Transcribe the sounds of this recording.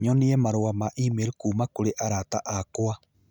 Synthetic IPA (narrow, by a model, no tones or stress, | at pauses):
ɲɔniɛmaɾowamaʔimeɾikuːmakoɾeʔaɾataʔakoa